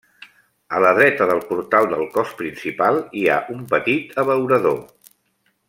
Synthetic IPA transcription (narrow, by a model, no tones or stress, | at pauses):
ələðɾɛt̪əðəlˠpuɾt̪alˠd̪əlˠkɔspɾinsipalˠia̰ʔumpət̪it̪əβəwɾəðo